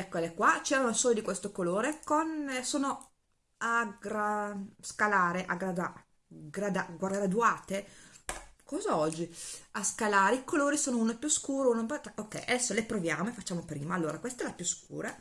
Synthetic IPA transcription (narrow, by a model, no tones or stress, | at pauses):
ɛkːolekwat͡ʃeːɾanosɔːjod̪ikwest̪okoloːɾekonsoːno | aɡɾaskalaːɾeʔaɡɾaa | ɡɾad̪aɡwarɡɾad̪uaːt̪e | kɔːzaɔd͡ʒːiaskalaːɾeikoloːɾisoːnounoapjuskuːɾounopokːɛ̰ja̰d̪ɛsːolepɾovjaːmoefat͡ʃːaːmopɾiːmaalːoːɾakwest̪aɛlapjuskṵːɾa